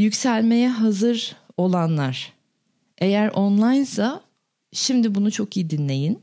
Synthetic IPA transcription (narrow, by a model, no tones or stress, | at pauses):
jycsælʲme̞jɛɦazɯɾo̞lˠanlˠaɾ̥ | e̞jæɾʔonlˠajnsa | ʃimd̪ibunut͡ʃʰo̞kijid̪inlʲe̞jin